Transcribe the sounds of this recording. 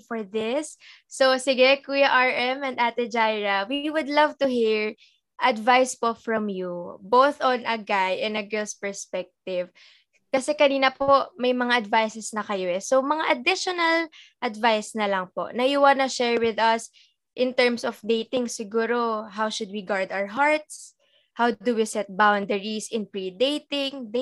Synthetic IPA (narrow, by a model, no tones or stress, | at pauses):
fɔɹðɪsː | osɪɡɛkujɐʔaɹʔɛmɐ̃nd̪at̪ɛd͡ʒajɹɐwiwʊd̪lɐvt̪ʊhiɹ | ʔɐd̪vajspofɹɔmjubowθɔnɐɡajʔɛ̃nɐɡɛlspɛɹspɛk̚t̪ɪv | kɐsɛkɐniːnɐpoʔmɐjmɐŋaʔɐd̪vajsɛsnɐkɐjoʔɛsomɐŋaʔɐd̪ɪʃonɐlʔɐd̪vajsnɐlɐŋpo̰ʔnɐʔiwanɐʃɛɹwɪðɐs | ʔɪ̃nt̪ɛɹmsɔfd̪ejt̪ɪŋsɪɡuːɾoɦawʃʊd̪̚wiɡaɹd̪awəɹɦaɹt̪̚s | hawd̪ʊwisɛt̪̚bawnd̪ɛɹisɪ̃npɹid̪ejt̪ɪŋd̪